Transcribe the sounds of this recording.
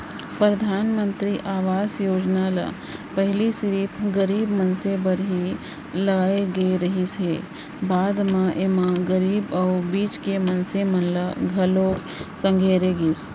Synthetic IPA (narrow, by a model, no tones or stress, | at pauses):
pɾəd̪ʱaːnmə̃nt̪ɾiʔaːʋaːsjoːd͡ʒnala̰ | pəɦɪlisɾiːpʰɡəɾiːbmənsebəɾɦi | lɐɡaːeɡeeɾɐɦisɦe | baːd̪mãʔeːmãɡəɾiːbɐubiːt͡ʃkemənsemɐnləɡʱɐloːk | sə̃ŋɡʱeːɾeɡiːs